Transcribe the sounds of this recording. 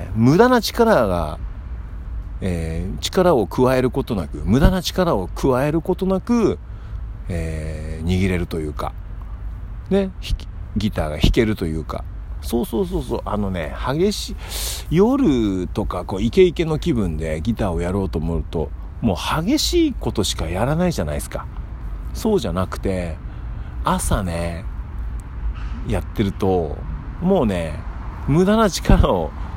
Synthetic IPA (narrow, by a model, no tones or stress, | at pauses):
mɯ̟d̪anat͡ɕi̥kaɾaɡa̰ | eːt͡ɕi̥kaɾao̞kɯ̟βae̞ɾɯ̟ko̞t̪o̞nakɯ̟̰mɯ̟d̪anat͡ɕi̥kaɾao̞kʰɯ̟βae̞ɾɯ̟ko̞t̪o̞nakɯ̟ | eːɲ̟iɡʲiɾe̞ɾɯ̟t̪o̞jɯ̟ːka̰ | ne̞i̥ | ɡʲit̪a̰ːɡa̰çi̥ke̞ɾɯ̟t̪o̞jɯ̟ːka̰ | so̞ːso̞ːso̞ːso̞̰ːʔa̰no̞ne̞̰haɡe̞ɕi | jo̞ɾɯ̟t̪o̞kako̞ːike̞ike̞no̞kʲibɯ̟̃nd̪e̞ɡʲit̪aːo̞jaɾo̞ːt̪o̞ːmoɯ̟t̪o̞̰ | mo̞ːhaɡe̞ɕiːko̞t̪o̞ɕi̥kajaɾanaiʑanaisɨ̥ka | so̞ːʑanakɯ̟̥t̪e̞ | asane | jat̪ːe̞ɾɯ̟t̪o̞mo̞ːne̞mɯ̟d̪anat͡ɕi̥kaɾao̞